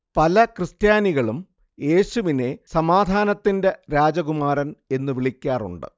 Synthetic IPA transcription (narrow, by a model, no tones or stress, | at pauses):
pɐlɐkrɨst̪jaːniɣɐɭum | je̞ːɕuʋine̞sɐmaːd̪ʱaːnɐt̪ːinde̞ɾaːd͡ʑɐɣumaːɾɐne̞nːɨʋiɭikʲːaːrṵɳɖɨ̰